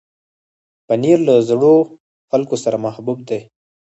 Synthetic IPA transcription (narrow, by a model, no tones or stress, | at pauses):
paniɾlazɽo | xalkosaɾamahbub̚d̪e